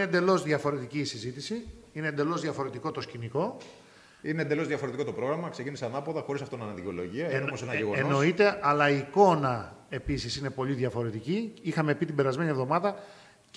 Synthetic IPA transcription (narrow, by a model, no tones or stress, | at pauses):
end̪e̞lo̞zðʝɐfo̞ɾe̞t̪iciːsizit̪isi | inend̪e̞lo̞zðʝɐfo̞ɾe̞t̪iko̞t̪o̞sciniko̞ | ineːnd̪e̞lo̞zðʝɐfoɾet̪iko̞t̪o̞pɾo̞ɣɾɐmɐkse̞ciniseɐnɐpoðɐxo̞ɾisɐft̪oinɐnɐðicolo̞̰ʝiɐomosenɐeɣnenono̞it̪e̞ʔɐlɐiːko̞nɐe̞pisisine̞po̞ʎiðʝɐfo̞ɾe̞t̪iciixɐme̞pit̪ibe̞ɾɐzme̞nievðo̞mɐðɐ